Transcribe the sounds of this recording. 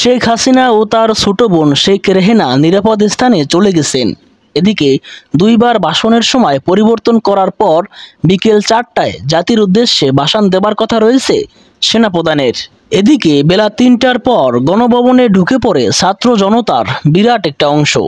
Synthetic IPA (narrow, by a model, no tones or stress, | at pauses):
ʃekʰɦasinaot̪aɾsuʈobonʃekʰɾeɦenaniɾapod̪est̪ʰanet͡ɕoleɡet͡ɕʰen | ed̪iked̪ujbaɾbʱaʃoneɾʃɔmɔepoɾiboɾt̪onkɔɾaɾpɔɾbikelt͡ɕaʈʈːaed͡ʑat̪iɾud̪ːeʃːebʱaʃand̪ebaɾkɔt̪ʰaɾoet͡ɕʰḛ | ʃenapɾod̪aneɾ | ed̪ikebelat̪inʈaɾpɔɾɡɔnobʱɔboneɖʱukepɔɾesat̪ːɾod͡ʑɔnot̪aɾbiɾaʈek̚ʈaɔŋʃo̰